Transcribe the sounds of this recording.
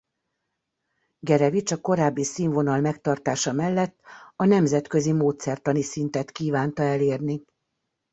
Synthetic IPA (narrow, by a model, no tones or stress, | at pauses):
ɡɛɾɛvit͡ʃɒko̞ɾaːbːisiːɱvo̞nɒlmɛkt̪ɒrt̪aːʃɒmɛlːɛt̪ːɒnɛmzɛt̪kø̞zimoːt̪sɛrt̪ɒnisint̪ɛt̪kiːvaːnt̪ɒɛleːrni